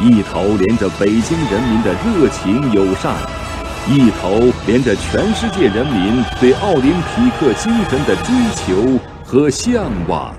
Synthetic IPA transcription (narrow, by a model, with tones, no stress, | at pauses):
i˥˩t̪ʰo˧˥ʊljɛ˧˥nʈ͡ʂə˨pe˨˩ɪt͡ɕi˥ŋɻə˧˥nmi˧˥nd̪ə˨ɻɤ˥˩t͡ɕʰi˧˥ŋjo˨˩ʊʂɑ̰˥˩ŋ | i˥˩t̪ʰo˧˥ʊljɛ˧˥nʈ͡ʂə˨t͡ɕʰɥɛ˧˥nʂɻ̩˥˧t͡ɕjɛ˥˩ɻə˧˥nmi˧˥nt̪we˥˧ɪʔɑ˥˩ʊli˧˥npʰi˧˥kʰɤ˥˩t͡ɕi˥ŋʂə˧˥nd̪ə˨ʈ͡ʂwe˥ɪt͡ɕʰjo˧˥ʊ | xɤ˧˥ɕjɛ˥˧ŋwa̰˨˩